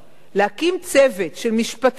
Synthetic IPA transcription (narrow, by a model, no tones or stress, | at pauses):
lehakimt͡sevetʃelmiʃpat